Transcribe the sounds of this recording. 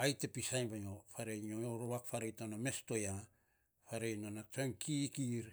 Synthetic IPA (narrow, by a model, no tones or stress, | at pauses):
ajtepisajnbajofaɾejɲooɾoβakfaɾejtoname̞sto̞ja | faɾejnonat͡ʃoŋkʰikiɾ